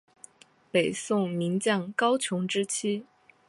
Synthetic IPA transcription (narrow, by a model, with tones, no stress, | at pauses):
pe˨˩ɪsʊ˥˩ŋmi˧˥ŋt͡ɕjɑ˥˩ŋkɑ˥ʊt͡ɕʰjʊ˧˥ŋʈ͡ʂɻ̩˥t͡ɕʰi˥